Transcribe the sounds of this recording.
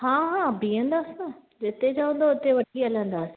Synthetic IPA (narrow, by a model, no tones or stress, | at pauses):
hãːɦãːbiə̃nd̪aːsinɐ | d͡ʑet̪ed͡ʑaːʋə̃n̆d̪oʊt̪eʋɐʈʰiɐlə̃nd̪aːsĩ